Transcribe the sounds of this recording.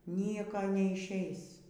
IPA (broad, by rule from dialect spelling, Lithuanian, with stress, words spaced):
ˈnʲiɛkoː nʲɛɪʃʲˈɛɪs